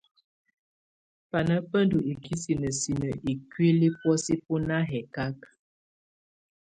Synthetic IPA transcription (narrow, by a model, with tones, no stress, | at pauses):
pa˨nə˦pə˦ndu˨i˨ki˦si˨nə˨si˨nə˨ʔi˨kwi˦li˦pwɔ˦si˦pu˦na˦ɦɛ˨ka˦k